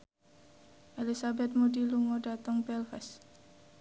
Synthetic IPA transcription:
ʔelisabɛt̪̚mudiluŋoɖat̪əŋbɛlfɛs

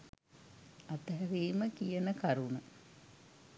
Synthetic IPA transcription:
at̪əɦæɾiːməkijənəkaɾunə

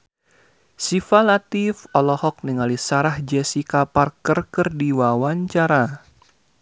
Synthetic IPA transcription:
sifalat̪ifɔlɔhɔk̚niŋalisaɾahd͡ʒɛsikaparkərkərdiwawaɲt͡ʃaɾa

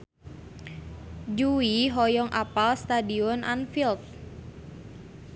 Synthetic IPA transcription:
d͡ʒuiɦɔjɔŋʔapalst̪adiɔnʔa̰nfilt̪̚

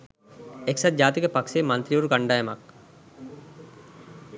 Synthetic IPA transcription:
eksat̪̚d͡ʑd͡ʒaːt̪ikəpakseːmant̪ɾijuɾuɡaɳɖaːjɐmak

